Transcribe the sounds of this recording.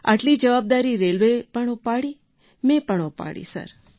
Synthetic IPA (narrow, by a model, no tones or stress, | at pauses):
a̰ʈlid͡ʒəʋab̚d̪aɾiɾelʋepəɳopaɽi | mẽpəɳopa̰ɽḭsə̰ɾ